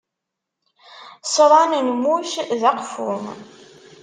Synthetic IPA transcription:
sˤəɾˤɑnənmuʃðɑqfʊ̰m

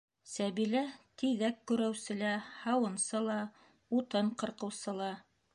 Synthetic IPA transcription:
sæβilæt̪iðækːʉɾæwsɘ̆læhɑwɤ̆nsɤlˠɑ | ut̪ɤɴqɤ̆ɾqɤ̆wsɤ̆lˠɑ

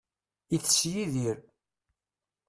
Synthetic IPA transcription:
iθsjiðiɾ

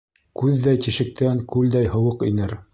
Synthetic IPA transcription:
kʉðːæjt̪iʃɘ̆k̚t̪ʰæŋkʉld̪æjhɤ̆wɤqḭnɘɾ

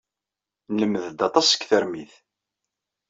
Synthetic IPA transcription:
nləmːəðd̪ɑt̪ˤɑsə̥kːθəɾmiθ

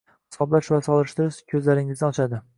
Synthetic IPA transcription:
hɪ̥sɒblaʃvasɒlˠɪʃt̪ʰɪɾɪʃkʲʰɵzlaɾɪŋɪznɪɒt͡ʃʰad̪ɪ

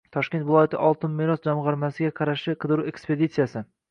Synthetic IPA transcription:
t̪ʰɒʃkʲet̪vɪlˠɒjat̪ɪʔɒlˠt̪ɪnmeɾɒsd͡ʒamʁɑɾmasɪɡʲaqʰɑɾaʃɪqʰɨd̪ɨɾue̞kspe̞d̪it̪sɨjasɪ

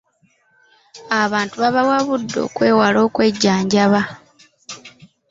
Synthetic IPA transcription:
aβaːntuβaβawaβudːo̰kwe̞ːwalo̞ːkwe̞ɟːaːɲɟaβa

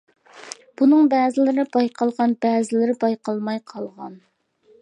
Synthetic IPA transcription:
b̥unɨŋbɛːzɪlɪɾɪbɑjqʰɑlˠʁɑnbɛːzɪlɪɾɪbɑjqɑlˠmɑjqʰɑlˠʁɑn

